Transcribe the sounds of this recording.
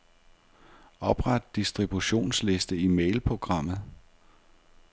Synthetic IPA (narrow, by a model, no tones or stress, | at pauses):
ɒ̽b̥ʁad̥̚ːisd̥ʁib̥uɕo̝̰ːnsle̝sd̥əimeɪlpʰʁo̝ɡ̥ʁɑ̈m̰ð̞̩ˠ